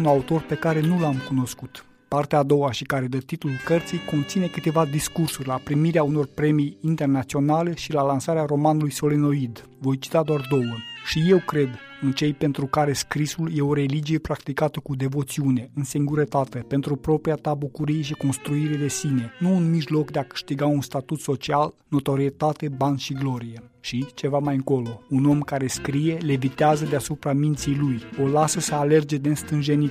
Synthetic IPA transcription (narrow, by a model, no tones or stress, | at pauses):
unaut̪o̞rpe̞kaɾe̞nulamkuno̞skut̪ | part̪eaːd̪o̞waʃikaɾe̞d̪ət̪it̪ulkərt̪sijko̞nt̪sine̞kɨt̪e̞vad̪iskursurʲlapɾimiɾeauno̞rpɾe̞mijint̪e̞rnat̪sio̞nale̞ʃilalansaɾeaɾo̞manulujso̞leno̞id̪ | vo̞jt͡ʃi̥t̪ad̪oard̪o̞wəʃije̞wkɾe̞d̪ɨnt͡ʃe̞jpe̞nt̪ɾukaɾe̞skɾisulje̞o̞ɾe̞lid͡ʒije̞pɾakt̪ikat̪əkud̪e̞vo̞t̪siune̞ɨnsiŋɡuɾət̪at̪e̞pe̞nt̪ɾupɾo̞pɾijat̪abukuɾijeʃiko̞nst̪ɾuiɾe̞d̪e̞sine̞nuːnmiʒlo̞kd̪e̞akɨ̥ʃt̪iɡaunst̪at̪ut̪so̞t͡ʃialno̞t̪o̞ɾiet̪at̪e̞banʃiɡlo̞ɾije̞ʃit͡ʃe̞vamajɨŋko̞lo̞uno̞mkaɾe̞skɾije̞levit̪eazəd̪easupɾamint̪sijlujo̞lasəsəale̞rd͡ʒe̞d̪enst̪ɨnʒe̞ni